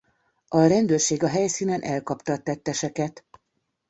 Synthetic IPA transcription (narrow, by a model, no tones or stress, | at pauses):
ʔɒɾɛnd̪øːrʃeːɡɒɦɛjsiːnɛnʔɛlkɒpt̪ɒt̪ːɛt̪ːɛʃɛkɛt̪